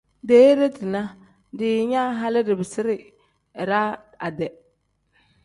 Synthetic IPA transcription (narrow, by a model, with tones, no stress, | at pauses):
deː˦ɾe˦tɪ˨na˦ | dɪ˨˦ɲa˦ɦa˦lɪ˦dɪ˨bɪ˨sɪ˦ɾɪ˨ | ɾa˦ | a˨dɛ˨